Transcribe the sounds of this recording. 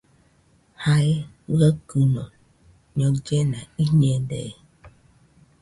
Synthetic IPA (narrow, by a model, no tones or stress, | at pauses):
haje | ɣəkunɔ | ɲɔd͡ʒenaiɲedḛ